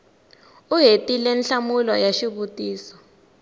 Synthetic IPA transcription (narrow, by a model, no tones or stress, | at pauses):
uɦetʼilɛnɬamulɔjaʃiɓutʼiːsɔ̥